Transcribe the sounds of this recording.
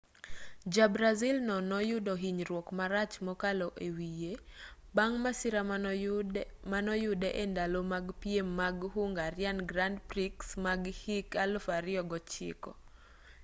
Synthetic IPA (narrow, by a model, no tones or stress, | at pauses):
d͡ʒabɾazilnɔnɔjʊdɔɦiɲɾwɔkmaɾat͡ʃmɔkalɔʔewijebaŋmasɪɾa | manɔjʊdɛʔendalomaɡpiemːaɡhuŋɡaɾɪanɡɾandpɾiksmaɡhikalfaɾɪɔɡɔt͡ʃɪ̰kɔ